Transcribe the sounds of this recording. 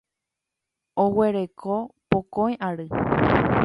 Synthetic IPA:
owe̞ɾe̞kʰopokõj̃ʔaɾɨ

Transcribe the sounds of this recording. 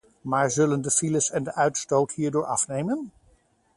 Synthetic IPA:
maːɹzɵləndəfiləsɛndəʔœɥtstowtɦiːɹdʊːɹʔɑ̰fnejmən

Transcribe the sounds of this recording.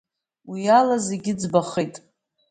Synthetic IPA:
wialazeɡʲɪd͡zbaχejtʼ

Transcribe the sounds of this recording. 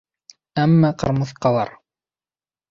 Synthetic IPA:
æmːæqɑ̰̆ɾmɤ̆θqɑlˠɑ̰ɾ

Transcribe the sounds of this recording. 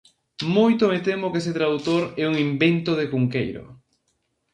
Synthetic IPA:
mojt̪omet̪emokeset̪ɾaðut̪oɾɛuŋimbent̪oðekuŋkejɾo̰

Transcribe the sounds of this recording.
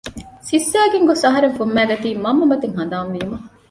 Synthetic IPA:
sisːæːɡeŋɡosɐɦɐɾeŋfumːæːɡɐt̪iːmɐmːɐmɐt̪eŋɦɐnd̪aːmʋiːumɐ

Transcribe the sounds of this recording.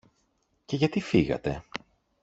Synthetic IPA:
ce̞ʝɐt̪ifiɣɐ̰t̪e̞

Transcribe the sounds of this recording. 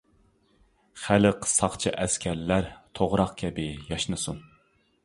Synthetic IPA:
χæləqʰsɑχt͡ʃʰɨʔɛskʲʰæɾlæɾt̪ʰoʁɾɑqkʲʰɛbɪjɑʃnɨsun

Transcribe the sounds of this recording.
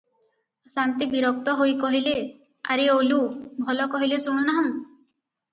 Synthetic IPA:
sant̪ibiɾɔk̚t̪ɔɦojkɔɦile | a̰ɾeolubʱɔlɔkɔɦilesuɽ̃unaɦɔŋ

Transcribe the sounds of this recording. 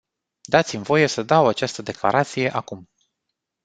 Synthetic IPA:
d̪at̪simvo̞je̞səd̪awat͡ʃast̪əd̪e̞kla̰ɾat̪sije̞ʔakum

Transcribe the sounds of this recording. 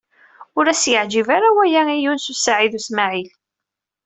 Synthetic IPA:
ʊɾæsjəʕd͡ʒivaɾawæjaijunsusaʕiðusmaʕil

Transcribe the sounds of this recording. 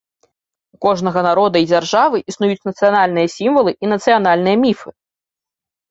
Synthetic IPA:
ukɔʐnɐɣɐnaɾɔd̪ɐid͡zʲarʐavɨʔisnujut͡sʲnɐt̪sɨjanalʲnɨjɐsʲimvɐlˠɨʔinɐt̪sɨjan̪alʲnɨjɐmʲifɨ

